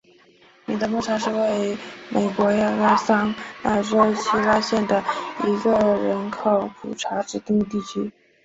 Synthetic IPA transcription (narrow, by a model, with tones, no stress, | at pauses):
ni˨˩d̪ə˧˦mɔ˥˩ʈ͡ʂʰa˧˥ʂɻ̩˥˧we˥˩ɪme˨˩ɪkwɔ˧˥a˥˧ɻa˥sɑ˥ŋna˥˧˩ʈ͡ʂo˥ʊt͡ɕʰi˥la˥ɕjɛ˥˩nd̪ə˩i˧˥ɡə˧ɻə˧˥nkʰo˨˩ʊpʰṵ˨˩ʈ͡ʂʰa˧˥ʈ͡ʂɻ̩˨˩t̪i˥˧ŋ˧t̪i˥˩t͡ɕʰy˥